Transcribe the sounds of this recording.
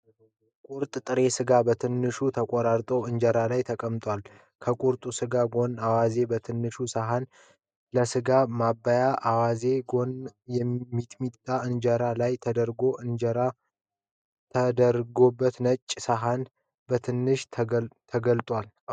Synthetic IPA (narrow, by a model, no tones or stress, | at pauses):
kʼuɾt̪ʼt̪ʼɨɾe̞sɨɡabət̪ʰɨnːɨʃut̪ʰəkʷʼoɾaɾt̪ʼo̞ɨnd͡ʒəɾalajt̪ʰəkʼəmt̪ʼwʷal | kʰəkʼuɾt̪ʼusɨɡaɡo̞nawaze̞bət̪ʰɨnːɨʃusaɦan | ləsɨɡamabːajaʔawaze̞ɡo̞njɛːit̪ʼmit̪ʼːaɨnd͡ʒəɾalajt̪ʰəd̪əɾɡo̞ʔɨnd͡ʒəɾa | t̪ʰəd̪əɾɡo̞bːət̪nət͡ʃʼːsaɦan | bət̪ʰɨnːɨʃʰt̪ʰəɡəlt̪ʼwal